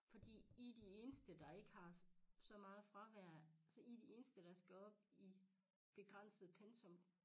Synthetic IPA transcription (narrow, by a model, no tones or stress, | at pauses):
fɒ̽d̥ḭːid̥ie̝ːnəsd̥əd̥ɑ̈e̝ɡ̥əhɑ̈sɒ̽mɑ̈ːð̩ˠfʁɑ̈ʋæɐ̰sɒid̥ie̝ːnəsd̥əɾ̥ɑ̈sɡ̥æɒ̽b̥̚i | b̥e̝ɡ̥ʁɑn̰səð̩ˠpʰensʰɔ̽m